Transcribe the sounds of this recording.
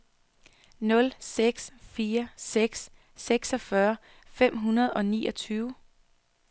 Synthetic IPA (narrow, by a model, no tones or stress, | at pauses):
nɔ̽lseɡ̥sfiːɐseɡ̥s | seɡ̥sɒ̽fɶɐ | fem̰ɦunɐð̞̩ˠɒ̽nḭːʔɒ̽t͡sʰyːʊ